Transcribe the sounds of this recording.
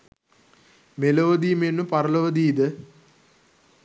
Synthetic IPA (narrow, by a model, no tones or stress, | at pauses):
meloʋəd̪iːmenupaɾələʋəd̪iːd̪ə